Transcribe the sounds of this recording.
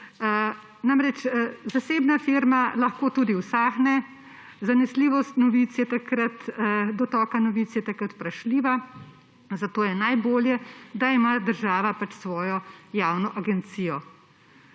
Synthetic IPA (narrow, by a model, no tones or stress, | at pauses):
namɾɛt͡ʃzaseːbnafiɾmalaxkoːt̪uːd̪iwsaːxnɛ | zanɛsliːʋɔst̪nɔʋiːt̪sjɛt̪akɾat̪d̪ɔt̪ɔːkanɔʋiːt̪sjɛt̪akɾat̪pɾaʃliːʋa | zat̪oːjɛnajboːljɛd̪aimad̪əɾʒaːʋapat͡ʃsʋɔːjɔjaːwnɔʔaɡɛnt̪sijɔ